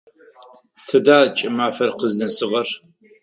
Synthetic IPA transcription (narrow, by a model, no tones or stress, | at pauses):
tʰɨdaːt͡ʃʼɪmaːfɐrqəznɨsɨʁɐr